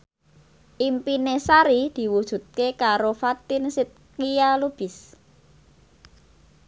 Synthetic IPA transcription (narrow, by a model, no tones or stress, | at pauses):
ʔimpinesaɾid̪̥i̤wud̥ʒ̥ṳt̪̚kekaɾofat̪ɪnsit̪̚kijalub̥ɪs